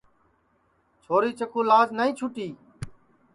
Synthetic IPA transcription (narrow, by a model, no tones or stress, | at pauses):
t͡ʃʰoːɾiːt͡ʃəkʰuːlaːznaːĩːt͡ʃʰʊʈiː